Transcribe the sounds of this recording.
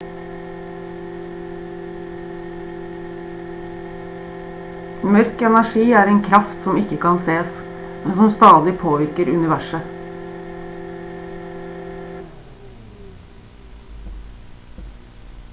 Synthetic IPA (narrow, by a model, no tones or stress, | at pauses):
mœɾkɛnæʃiːæːɾeːŋkʰɾɑft̪sɔmɪkəkɑnseːs | mɛnsɔmst̪ɑːd̪ɪpʰoːʋɪɾkəɾʉnɪʋæʃə